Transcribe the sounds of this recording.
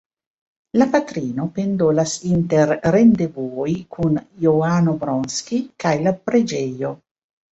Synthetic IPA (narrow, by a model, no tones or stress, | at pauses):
lapat̪ɾiːnopend̪ɔlasint̪erːend̪evuɔːjkʰunjoaːnobɾɔnsk̟ikajlapɾed͡ʒejo